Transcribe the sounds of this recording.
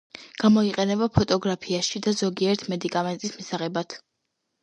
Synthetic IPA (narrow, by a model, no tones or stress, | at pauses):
ɡ̥amɔiqʼɛnɛbapʰɔt̪ʼɔɡɾapʰiaʃid̪azɔɡiɛɾt̪ʰmɛd̪ikʼamɛnt̪ʼismisaʁɛbat̪ʰ